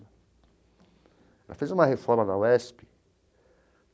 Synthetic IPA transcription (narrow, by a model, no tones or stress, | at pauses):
ɛla̰fezũmɐhefɔɾmɐnawɛspi̥